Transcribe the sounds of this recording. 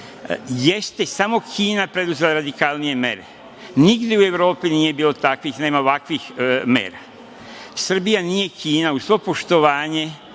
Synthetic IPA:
je̞st̪e̞samo̞kʰiːnapɾe̞d̪uze̞laɾad̪ikalnije̞me̞̰ɾe | niɡd̪jeue̞ʋɾo̞ːpinije̞biːlo̞t̪akʋixne̞ːmaoʋakʋixmḛːɾa | sr̩bijanije̞kʰiːnausʋo̞po̞ʃt̪o̞ʋaːɲe̞

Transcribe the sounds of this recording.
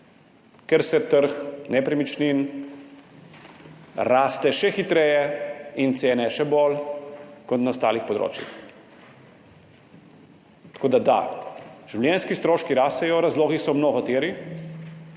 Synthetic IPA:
kɛɾsɛt̪əɾxnɛpɾɛmit͡ʃnin | ɾaːst̪ɛʃɛxit̪ɾɛjɛint̪seːnɛʃɛbol | kɔt̪naɔst̪a̰ːlixpɔd̪ɾo̰ːt͡ʃjḭx | t̪ḁkoːd̪ad̪a̰ʒ̥uwljɛnskist̪ɾoːʃkiɾaːst̪ɛjɔɾazloːɣisɔmnoɣɔt̪eːɾi

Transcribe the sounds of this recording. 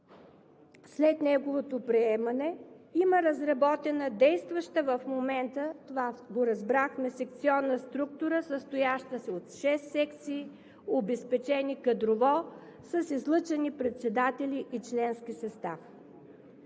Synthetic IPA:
slɛt̪nɛɡovot̪opɾiɛmɐnɛiməɾɐzɾɐbɔt̪ɛnəd̪ɛjst̪vəʃt̪əvəfmomɛnt̪ət̪ovaɡoɾɐzbɾaxmɛsɛk̚t̪siɔnːəst̪ɾuk̚t̪ʊɾəsəst̪ojaʃt̪əsɛot̪ʃɛsːɛkt̪siː | obɛspɛt͡ʃɛnikɐd̪ɾovɔ | sɐsizlˠɤt͡ʃɛnipɾɛt̪sɛd̪at̪ɛliʔit͡ʃlɛnskisɐst̪af

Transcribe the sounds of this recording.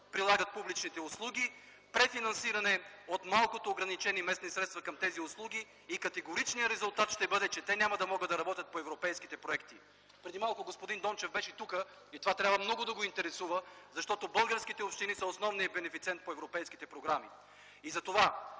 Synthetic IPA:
pɾilˠaɡət̪̚publit͡ʃnit̪ɛʊslˠuɡʲi | pɾɛfinɐnsiɾɐnɛot̪malˠkot̪oːɡɾɐnit͡ʃɛnimɛsnisɾɛt̪st̪vɐkɐmt̪ɛziʊslˠuɡʲiː | kɐt̪ɛɡoɾit͡ʃnijəɾɛzʊlˠt̪at̪ʃt̪ɛbɤd̪ɛt͡ʃɛt̪ɛnʲamɐd̪ɐmɔɡəd̪ɐɾɐbɔt̪ʲɐt̪̚poɛvɾopɛjskit̪ɛpɾoɛkt̪i | pɾɛd̪imalˠkoɡospod̪ind̪ɔnt͡ʃɛvbɛʃɛt̪ukə | it̪ovat̪ɾʲabvɐmnɔɡʊd̪ɐɡoint̪ɛɾɛsuvəzɐʃt̪ɔt̪obɤlˠɡəɾskit̪ɛopʃt̪inisɐosnɔvnijəbɛnɛfit̪siɛnt̪̚poɛvɾopɛjskit̪ɛpɾoɡɾamḭ | izɐt̪ova

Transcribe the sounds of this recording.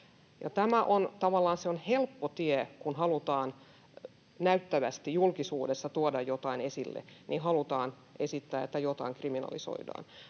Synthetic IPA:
jɑ̰t̪æmæʔont̪ɑʋɑlːɑːnseonhelpːot̪iekunhɑlut̪ɑːn | næyt̪ːæʋæst̪ijulkisuːdesːɑt̪uodɑjjot̪ɑinesilːḛnihɑlut̪ɑːn | ʔesit̪ːæːet̪ːæjot̪ɑ̰iŋkriminɑ̰liso̰idɑ̰ːn

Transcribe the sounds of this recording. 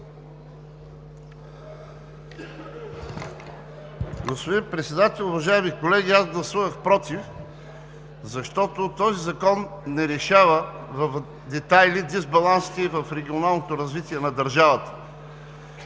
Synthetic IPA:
ɡospod̪inpɾɛt̪sɛd̪at̪ɛlʲˠʊvɐʒaɛmikolɛɡʲiazɡlˠɐsuvəxpɾɔt̪if | zɐʃt̪ɔt̪ot̪ɔzizɐkɔnːɛɾɛʃavəvɐf | d̪ɛt̪ajlid̪izbɐlˠansi̥t̪ɛivɐfɾɛɡʲionalˠnot̪oɾɐzvit̪ʲiɛnɐd̪ɐɾʒavət̪ə̥

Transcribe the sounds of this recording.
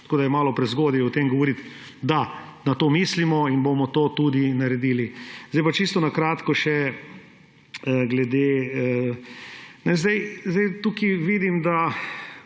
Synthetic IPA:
t̪ḁkoːd̪ajɛmaːlɔpɾɛzɡoːd̪iɔt̪emɡɔʋɔɾit̪ | d̪a | nat̪oːmiːslimɔinbomɔt̪oːt̪ud̪inaɾɛd̪iːlizd̪ajpat͡ʃist̪ɔnakɾaːt̪kɔʃɛ | ɡlɛd̪e | nɛzd̪ɛjzd̪ɛjt̪uːkiʋid̪imd̪a

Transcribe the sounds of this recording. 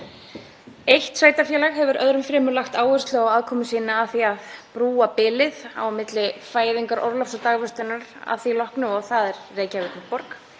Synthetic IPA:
ejht̪saːjt̪afjɛːlaɣhɛvʏɾœðɾʏmfɾɛːmʏɾlaxt̪aːwʏrst̪lʏawaðkʰɔːmʏsiːnaaðθiaðpɾuːapɪːlɪða̰wmɪt̪lɪfaːjðɪŋkaɾʔɔ̰ɾlafsat̪aːɣvœst̪ʏnaɾa̰θilɔhknʏɔɣθaðɛɾːeːjcavɪt̪nɪpɔɾk

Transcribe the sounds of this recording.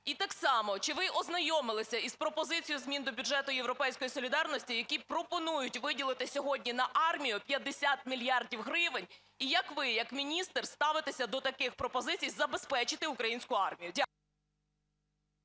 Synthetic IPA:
it̪ɑksɑmɔt͡ʃɪʋɪʔɔznɐjɔmɪlˠɪsʲɐispɾɔpɔzɪt͡sʲijʊzmʲind̪ɔbʲud͡ʒɛt̪ʊjewɾɔpɛjsʲkɔjisɔlʲid̪ɑrnɔsʲtʲijɐkʲipɾɔpɔnujʊtʲʋɪdʲilˠɪt̪ɪsʲɔɦɔdʲnʲinɐʔɑrmʲijʊpʲjɐd̪esʲat̪̚mʲilʲjɑrdʲiwɦɾɪʋɪnʲ | ijɐkʋɪjɐkmʲinʲist̪rst̪ɑʋɪt̪esʲɐd̪ɔt̪ɐkɪxpɾɔpɔzɪt͡sʲijzɐbespɛt͡ʃɪt̪ɪʊkɾɐjinʲsʲkʊɑrmʲijʊdʲak

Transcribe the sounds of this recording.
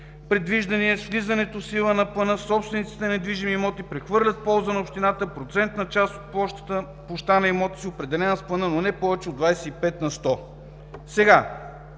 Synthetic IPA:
pɾɛd̪viʒd̪ɐniɛsvlizɐnɛt̪osilˠənɐplˠɐnɤsɔpst̪vɛnit̪si̥t̪ɛnɛd̪viʒimimɔt̪ipɾɛxvɤɾlʲɐt̪̚pɔlˠzənɐopʃt̪inat̪əpɾot̪sɛnt̪nɐt͡ʃast̪ot̪̚pˠɔʃt̪ə̥t̪ə | ploʃt̪anɐimɔt̪i̥siopɾɛd̪ɛlɛnəsplˠɐnɤnonɛpɔvɛt͡ʃɛod̪vajsɛipɛt̪nɐst̪ɔ | sɛɡa

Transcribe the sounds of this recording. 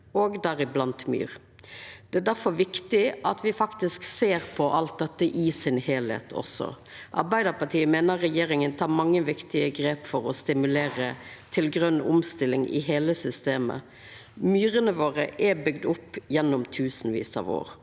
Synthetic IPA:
oːɡd̪æːɾɪblɑnt̪my̰ːɾ | d̪̥ɛæd̪æɾfɔʋɪkt̪ɪʔɑt̪ʰʋɪfɑkt̪ɪskseːɾpʰɔʔɑlt̪̚d̪ɛt̪ːəʔɪsɪnheːlhḛːt̪ʰɔ̰sɔ̰ | ʔɑ̰ɾbæɪd̪əɾpɑʈʰiːəmeːnəɾːɛjeːɾɪŋənt̪ʰɑːmɑŋːəʋɪkt̪ɪəɡɾeːpfɔɾɔst̪ɪmʉleːɾət̪ʰɪlɡɾœnːʊ̰mst̪ɪlːɪŋʔɪ̰ɦeːləsʏst̪eːmə̰ | myːɾənəʋoːʁəʔɛbʏɡd̪ʊpːjɛnːʊmt̪ʰʉːsn̩ʋḭːsɑ̰ʋo̰ːɾ

